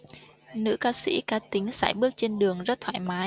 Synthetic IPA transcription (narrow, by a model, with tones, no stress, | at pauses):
nɨ̰˧˥kaː˧sḭ˧˥kaː˨˦t̪ï˨˦ŋ̟sa̰ː˧˩jɓɨ˦˥ək̚t͡ɕe˧nɗɨ˨˩əŋzə˦˥t̚t̪ʰwa̰ː˧˨jmaː˨˦j